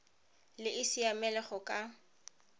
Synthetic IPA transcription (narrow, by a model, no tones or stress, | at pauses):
lɪʔɪsiamɛlɛχʊkʼa